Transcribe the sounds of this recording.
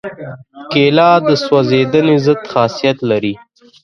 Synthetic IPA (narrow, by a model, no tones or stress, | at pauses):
kelɑd̪əswazed̪ənezəd̪xɑsijat̪laɾi